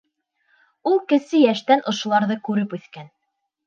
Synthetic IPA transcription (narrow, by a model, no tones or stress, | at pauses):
ulˠkɘ̆sɘjæʃt̪ænʔŏʃŏlˠɑɾðɤkʉɾɘpʉθkæn